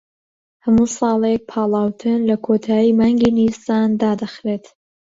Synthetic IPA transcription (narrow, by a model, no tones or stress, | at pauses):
hɐmusɑːlˠek̚pʰɑːlˠɑːwt̪ʰɨnlɐkʰot̪ʰaːjiːmaːŋɡiːniɾsaːnd̪aːd̪ɐxɾet̪